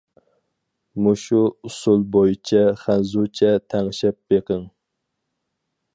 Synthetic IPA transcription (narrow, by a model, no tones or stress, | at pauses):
muʃuʊsulˠbojit͡ʃʰɛχænzut͡ʃʰɛt̪ʰæŋʃɛp̚beqʰəŋ